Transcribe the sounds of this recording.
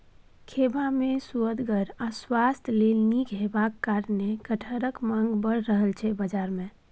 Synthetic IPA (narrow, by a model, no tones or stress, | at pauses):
kʰebamesuəd̪ɡəɾaswast̪ʰlelnikɦebakːaɾnekəʈʰəɾəkmãŋɡbəɽɾəɦəlt͡ʃʰɛbəd͡ʒaɾmẽ